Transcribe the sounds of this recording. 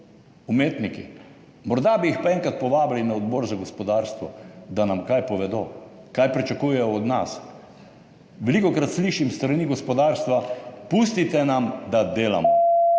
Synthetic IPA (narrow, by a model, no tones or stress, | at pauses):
umeːt̪nikḭ | mɔɾd̪abiixpaɛŋkɾat̪̚pɔʋaːblinaɔd̪bɔɾzaɡɔspɔd̪aːɾst̪ʋɔ̰d̪anamkajpɔʋɛd̪oː | kajpɾit͡ʃakuːjɛjɔːd̪na̰s | ʋɛlikɔkɾat̪sliːʃimst̪ɾaniɡɔspɔd̪aːɾst̪ʋapuːst̪it̪ɛnamd̪ad̪eːla̰mɔ